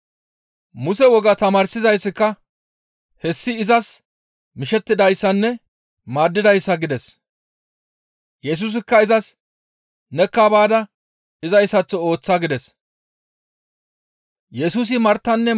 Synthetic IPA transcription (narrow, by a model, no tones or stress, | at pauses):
mʊsɛwɔɡɐt̪ɐmaːɾsɪzɐjsːɪkːɐ | hɛsːɪːzɐs | mɪʃɛt̪ːɪd̪ɐjsːɐnːɛ | maːd̪ːɪd̪ɐjsːɐɡɪd̪ɛs | jɛs̬uːs̬ɪkːɐɪzɐs | nɛkːaːbaːd̪ɐ | ɪzɐjsːɐt͡sːɔo̞ːt͡sːaːɡɪd̪ɛs | jɛsuːs̬ɪmɐɾt̪ːɐnːɛ